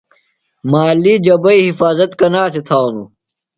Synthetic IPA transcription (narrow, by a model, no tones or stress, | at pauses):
maːliːd͡ʑɐbɐiɦifaːzɐt̪kɐnaːsʰet̪ʰaːwnṵ